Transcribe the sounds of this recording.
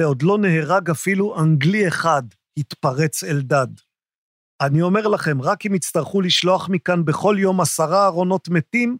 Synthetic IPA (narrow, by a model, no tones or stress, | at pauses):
eo̞d̪lo̞ne̞ɦeʁaɡafiluʔaŋɡlie̞χad̪ | hit̪paʁet͡seldad | anio̞me̞ʁlaχe̞mʁakimit͡st̪aʁχuliʃlo̞aχmikanbe̞χo̞ljo̞masaʁaːʁo̞no̞tmetim